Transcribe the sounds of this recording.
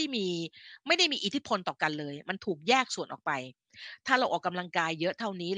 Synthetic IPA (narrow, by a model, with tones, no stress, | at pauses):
jmiː˧ma˥˩jda˥˩jmiː˧ʔi˨˩t̪ʰi˦˥pʰo˧nt̪ɔː˨˩ka˧nlɤː˧jma˧nt̪ʰuː˨˩k̚jɛː˥˩k̚su˨˩ənʔɔ̰ː˨˩k̚pa˧j | t̪ʰaː˥˩ɾa˧wʔɔː˨˩kːa˧mla˧ŋkaː˧jːɤ˦˥ʔt̪ʰa˥˩wniː˦˥